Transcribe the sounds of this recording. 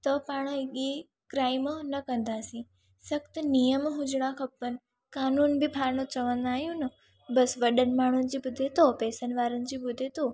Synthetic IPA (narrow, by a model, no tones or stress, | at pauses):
t̪əpaɽ̃ə̃iɡi | kɾajmonəkə̃nd̪ʱasĩ | səkt̪ənijəmɦud͡ʒɽ̃ãkʰəpːən | kaːnunbʱipʰaɾnõt͡ʃəʋãnd̪aɦjũnə | bəsʋəɗənmaːɳ̃ond͡ʒibʊd̪ʱet̪opeːsənʋaːɾənd͡ʒibʊd̪ʱːet̪o